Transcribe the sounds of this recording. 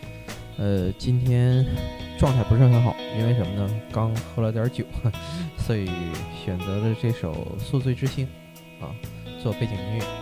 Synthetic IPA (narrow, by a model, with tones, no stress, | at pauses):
ə˧t͡ɕi˥nt̪ʰjɛ˥nʈ͡ʂwɑ˥˧ŋt̪ʰa˥˩ɪpu˧˥ɻ̩˥˩xə˧˥nxɑ˨˩˦ʊi˥nwe˥˩ɪʂə˧˥mə˧nə˨kɑ˥ŋxʰu˥lt̪jɑ˞˧˥t͡ɕjo˨˩˦ʊswɔ˧˥i˨˩˦ɕɥɛ˨˩nt͡sɤ˧˥lə˧ʈ͡ʂɤ˥˩ʂo˨˩ʊsu˥˧t͡swe˥˩ɪʈ͡ʂɻ̩˥ɕi˥n | ɐ̰˧t͡swɔ˥˧pt͡ɕi˨˩ŋni˧˥ɥɛ˥˩